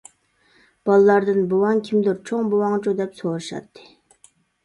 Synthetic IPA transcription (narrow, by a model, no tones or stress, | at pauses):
b̥ɑlˠlˠɑɾd̪ɨnbowɑŋkʲʰimd̪uɾt͡ʃʰoŋbowɑŋt͡ʃʰud̪ɛpsoɾɨʃɑ̰t̪ʰːɨ̥